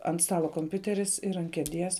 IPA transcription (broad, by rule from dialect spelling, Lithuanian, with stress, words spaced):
ɐnt ˈstɑːlˠoː koːmʲˈpʲʊtʲɛrʲɪs ɪr ɐnt kʲiɛˈdʲiɛs